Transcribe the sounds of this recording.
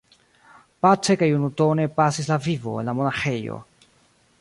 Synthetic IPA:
pat͡ʃe̞kajunuto̞ne̞pasis̬lavivo̞̰e̞̰nlamo̞naxe̞jo̰

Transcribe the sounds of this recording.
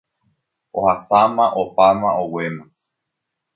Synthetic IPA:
ohasamãʔopamãʔowemã

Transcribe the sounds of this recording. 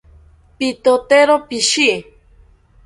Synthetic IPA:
pit̪ot̪eɾopiʃi

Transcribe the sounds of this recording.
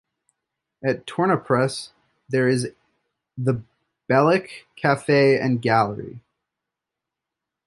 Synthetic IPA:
ɨtʰɔɹñəpʰɹ̥ɛs | ðə˞ɪz | ðə | b̥ɛlˠɪkʰæfeɪɨ̰̃nɡælˠə˞ḭ

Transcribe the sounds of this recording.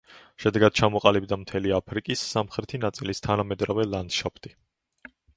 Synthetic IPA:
ʃɛd̪ɛɡad̪̥̚t͡ʃʰamɔqʼalibd̪amt̪ʰɛliapʰɾikʼisːamχɾɛt̪ʰinat̪sʼilist̪ʰanamɛd̪ɾavɛlˠand̪̥ʃapʰt̪ʼi

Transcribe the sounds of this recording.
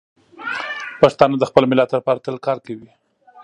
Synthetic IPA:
paʂt̪ɑnad̪əxpəlmɪlɑt̪əɾpaɾt̪əlkɑɾkawi

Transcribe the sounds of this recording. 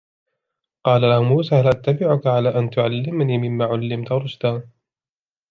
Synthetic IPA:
qɑːlalahʊmuːsaːhalʔat̪ːabɪʕʊkaʕalaːʔant̪ʊʕalːɪmaniːmɪmːaːʕalːɪmt̪ɾˤʊd͡ʒd̪aːn

